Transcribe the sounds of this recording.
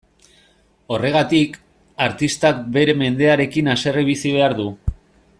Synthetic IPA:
o̞re̞ɣ̞at̪ik | aɾt̪ist̪ak̚be̞ɾe̞me̞nd̪e̞aɾe̞kinase̞reβ̞isiβ̞e̞aɾðu

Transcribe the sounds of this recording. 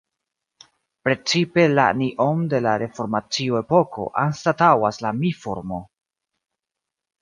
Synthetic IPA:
pɾe̞t͡sipe̞la̰niʔo̞mde̞laɾe̞fo̞ɾmat͡sioe̞po̞ko̞̰ʔanstatawaslamifoɾmo̞

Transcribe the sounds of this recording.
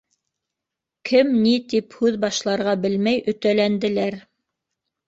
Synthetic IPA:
kʰɘmnit̪iphʉðbɑʃlˠɑɾʁɑbɘlmæjʔɵ̆t̪ælænd̪ɘ̆læɾ

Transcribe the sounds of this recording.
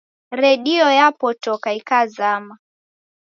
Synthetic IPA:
ɾɛɗiɔjapɔtɔkaikazama

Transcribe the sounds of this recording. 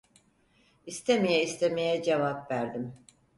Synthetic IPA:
ist̪ʰemijɛist̪ʰemejɛd͡ʒevapvæɾd̪im

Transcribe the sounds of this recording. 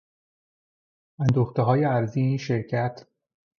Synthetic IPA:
ænd̪oːxt̪eɦɒːjeæɾziːeiːnʃeɾcʰæt̪ʰ

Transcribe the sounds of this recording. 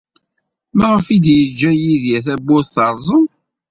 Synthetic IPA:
mæʁəfid̪jəd͡ʒːæjiðjæθæbːʊθθɑɾˤzˤon

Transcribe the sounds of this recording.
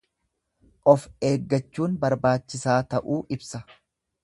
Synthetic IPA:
ʔɔfe̞ːɡːɐt͡ʃːuːnbɐɾbaːt͡ʃːɪsaːt̪ɐʔuːʔɪbsɐ

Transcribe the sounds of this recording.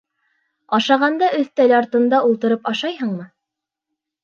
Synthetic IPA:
ɑʃɑʁɑnd̪ɑʔɵθt̪ælʲɑɾt̪ɤ̆nd̪ɑulˠt̪ɤ̆ɾɤpɑʃɑjhɤɴmɤ

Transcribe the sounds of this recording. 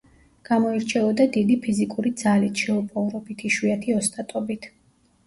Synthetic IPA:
ɡ̥amɔiɾt͡ʃʰɛɔd̪ad̪id̪ipʰizikʼuɾid̪zalit̪ʰʃɛupʼɔvɾɔbit̪ʰiʃwiat̪ʰiɔst̪ʼat̪ʼɔbit̪ʰ

